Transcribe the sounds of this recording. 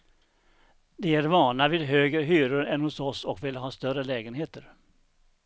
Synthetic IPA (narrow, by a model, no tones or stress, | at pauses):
d̪ɛæɾvɑːɳavɪːd̪ɦøːɡɾəɦyːɾəɾɛnhʊsɔsɔkvɪlɦɑːst̪œɾəlɛːɡənɦeːt̪əɾ